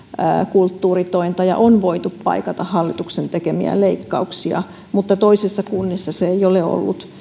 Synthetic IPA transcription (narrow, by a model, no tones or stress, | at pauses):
ə̰kult̪ːuːrit̪oint̪ɑjɑ̰ʔonʋoit̪uppɑ̰ikɑt̪ɑhhːɑlːit̪uksent̪ekemḭæ̰leikːɑ̰uksiɑ̰ | mut̪ːɑt̪oisesːɑkunːisːɑseeioleo̰lːut̪